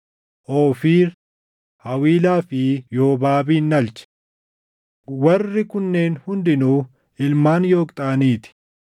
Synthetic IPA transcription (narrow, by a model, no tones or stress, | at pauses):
ʔoːfiːɾ | hɐwiːlaːfɪjo̞ːbaːbiːnːɐlt͡ʃɛ̥ | wɐrːɪkʊnːe̞ːnhʊnd̪ɪnuː | ɪlmaːnjo̞ːkʼt̪ʼaːniːt̪ɪ̥